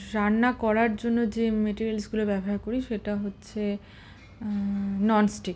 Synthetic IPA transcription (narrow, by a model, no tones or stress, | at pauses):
ɾanːakɔɾaɾd͡ʑonːod͡ʑemeʈiɾielsɡulobɛboɦaɾkoɾiʃeʈaɦotːɕʰe | nɔnsʈik